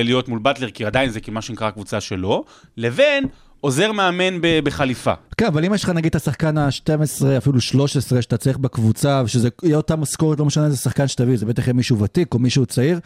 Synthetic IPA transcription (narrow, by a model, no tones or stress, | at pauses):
lijo̞tmulbat̪leʁkiadainzekimaʃenikʁakvut͡saʃe̞lo̞ | leven | o̞ze̞ʁmeame̞nbebeχalifa̰kenavalimeʃlχanaɡid̪̚tasaχkanaʃte̞mesʁeafiluʃlo̞ʃesʁeʃat̪at͡saiχbekvut͡saveʃezeijeotamasko̞ʁet̪lo̞meʃanezesaχkanʃetavizebe̞t̪aχjemiʃuvatiko̞miʃuːt͡saiʁ